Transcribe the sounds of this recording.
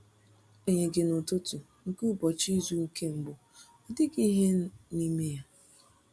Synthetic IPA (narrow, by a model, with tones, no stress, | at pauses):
o˦ɲe˨ɡɪ˦no˨to˦tu˨ | ŋ̩˦ku˦bɔ˨t͡ʃi˦zu˦ŋ̩˦ke˦m̩˨ɡ͡bʊ˨ | ɔ˨dɪ˦ki˦ɦe˦ni˦me˦ja˦